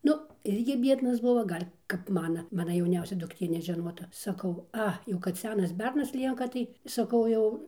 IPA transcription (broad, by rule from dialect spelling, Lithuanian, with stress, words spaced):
ˈnʊ ˈɪrʲɡʲɪ ˈbʲiɛdnɐs ˈbʊʋoː ˈɡɐlʲ kɐp ˈmɑːnɐ ˈmɑːnɐ jɛʊˈnʲɛʊsʲɛ dʊkˈtʲeː nʲɛʒʲɛˈnoːtɐ sɐˈkɐʊ ˈɐ jɛʊ kɐt ˈsʲæːnɐs ˈbʲɛrnɐs ˈlʲiɛŋkɐ ˈtɐɪ sɐˈkɐʊ jɛʊ